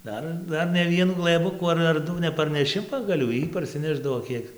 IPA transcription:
ˈdɐr ˈdɐr nʲɛ ˈʋʲiɛnuː ɡlˠɘˈbʊkuː ɐr ɐr ˈdʊ nʲɛpɐrʲnʲɛˈʃʲɪ pɐɡɐˈlʲuː ˈjiː pɐrʲsʲɪˈnʲæːʒdɐʋoː ˈkʲiɛk

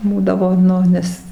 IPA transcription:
ˈbuːdɐʋoː ˈnʊ ˈnʲɛs

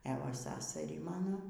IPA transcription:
ɛ ˈʋɐ ˈsɑːsɐrʲiː ˈmɑːnoː

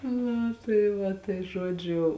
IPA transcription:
ˈnʊ tɐɪ ˈʋɐ tɐɪ ˈʒoːd͡ʒʲʊ

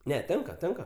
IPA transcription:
ˈnʲɛ ˈtʲɛŋkɐ ˈtʲɛŋkɐ

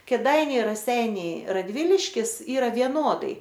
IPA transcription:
kʲeːˈdɐɪnʲɛɪ rɐˈsʲɛɪnʲɛɪ rɐˈdʲʋʲɪlʲɪʃʲkʲɪs ˈiːrɐ ʋʲiɛˈnoːdɐɪ

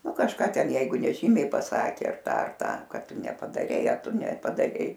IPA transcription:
ˈnʊ kɐʃˈkɑː ˈtʲɛn ˈjɛɪɡʊ nʲɛˈʒʲiːmʲɛɪ pɐˈsɑːkʲeː ɐr ˈtɐ ɐr ˈtɐ ˈkɐt ˈtʊ nʲɛpɐdɐˈrʲɛɪ ɐr ˈtʊ nʲɛpɐdɐˈrʲɛɪ

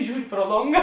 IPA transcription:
ˈʒʲuːrʲɪ proː ˈlˠoːŋɡɐ

